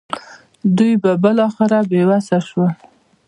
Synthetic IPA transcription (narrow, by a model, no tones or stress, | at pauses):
d̪ujbabəlɑxɪɾabewasaʃwa